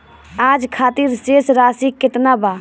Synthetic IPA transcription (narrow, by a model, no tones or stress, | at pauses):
aːd͡ʒkʰaːt̪iɾsesɾaːsikːɪt̪naba